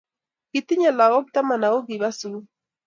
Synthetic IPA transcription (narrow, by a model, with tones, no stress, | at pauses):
ki˨t̪i˦ɲa˨la˨ɣɔ˦kit̪a˦ma˨na˨ɣɔ˦ɣi˨βa˦su˦